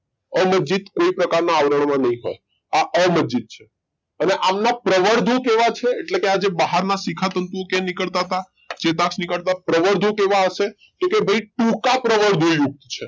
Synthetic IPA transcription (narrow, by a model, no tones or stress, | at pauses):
əməd͡ʒd͡ʒit̪koipɾəkaɾnaːʋɾəɳ̃mãnəɦĩɦo̰j | aʔəməd͡ʒd͡ʒit̪̚t͡ʃʰe | əneʔamnapɾəʋəɾd̪ʱũkeʋat͡ʃʰeːʈlekead͡ʒebaɦaɾnasikʰat̪ənt̪uokɛ̃nikəɭt̪aɦət̪a | t͡ʃet̪aksnikəɭt̪apɾəʋəɾd̪ʱũkeʋaəʃe | kekebʱəiʈũkapɾəʋəɾd̪ʱũjuk̚t̪t͡ʃʰe